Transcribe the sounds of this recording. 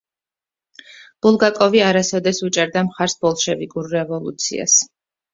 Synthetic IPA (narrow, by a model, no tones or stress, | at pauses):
b̥ulˠɡakʼɔviaɾasɔd̪ɛsut͡ʃʼɛɾd̪amχaɾsbɔlˠʃɛviɡuɾɾɛvɔlˠṵt̪sʰḭa̰s